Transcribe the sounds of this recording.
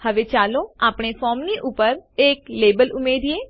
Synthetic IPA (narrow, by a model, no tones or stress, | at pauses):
həʋet͡ʃaːlõaːpɳ̃efɔːmniʔʊpəɾeːkleːbəlʊmeːɾieː